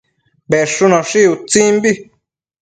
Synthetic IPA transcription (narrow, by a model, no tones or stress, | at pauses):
βeʂunãʂiut͡sĩmbi